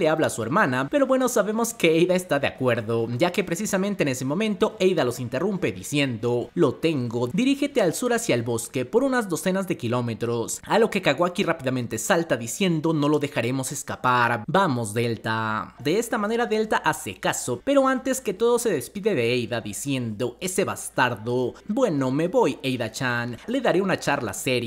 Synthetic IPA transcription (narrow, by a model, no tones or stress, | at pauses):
leaβlasue̞ɾmãnape̞ɾo̞βwe̞no̞saβe̞mo̞ske̞ejðaest̪aðea̰kwe̞ɾðo̞ɟ͡ʝake̞pɾe̞sisament̪eːne̞semo̞mẽ̞nt̪o̞e̞jðalo̞sint̪e̞rumpe̞ðisje̞nd̪o̞lo̞t̪e̞ŋɡo̞d̪iɾixe̞t̪ealsuɾasjalβo̞ske̞po̞ɾunazðo̞se̞nazðe̞kilo̞me̞t̪ɾo̞salo̞ke̞kaɣo̞akirapiðamẽ̞nt̪esalt̪aðisje̞nd̪o̞no̞lo̞ðe̞xaɾe̞mo̞se̞skapaɾbamo̞zðe̞lt̪ad̪e̞est̪amane̞ɾaðe̞lt̪aʔase̞kaso̞pe̞ɾo̞ant̪e̞ske̞t̪o̞ðo̞se̞ðe̞spiðe̞ðe̞ejðaðisje̞nd̪o̞e̞se̞βa̰st̪aɾðo̞bwe̞no̞me̞βo̞je̞jðat͡ʃanle̞ðaɾe̞unat͡ʃaɾla̰se̞ɾj